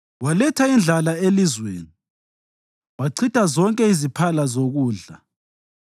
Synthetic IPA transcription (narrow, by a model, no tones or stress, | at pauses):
walɛtʰaind͡ɮʱalaelizwḛːni | waǀʰitʼazɔŋkʼɛizipʰalazoɣuːɮa̰